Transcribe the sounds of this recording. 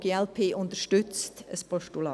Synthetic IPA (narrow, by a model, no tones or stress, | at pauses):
ɡ̥eɛlpʰeːʔʊntəʃtʏt͡stəspɔʃtulɑ